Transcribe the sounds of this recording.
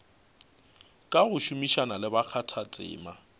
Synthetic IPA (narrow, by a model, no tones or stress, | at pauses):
kʼaɣʊʃumiʃanalɪbak͡xʰatʰat͡sʼɪ̰ːma